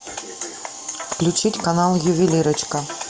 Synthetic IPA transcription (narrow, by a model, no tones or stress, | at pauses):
fklʲut͡ɕitʲkanɑlˠjʊvʲilʲiɾət͡ɕkə